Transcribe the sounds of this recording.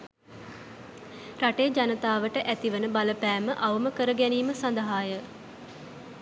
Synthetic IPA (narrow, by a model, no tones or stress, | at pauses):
raʈejəd͡ʒanət̪aːʋəʈəʔæt̪iʋənəbaləpæːməʔaʋəməkəɾəɡɛniːməsand̪əɦaːjə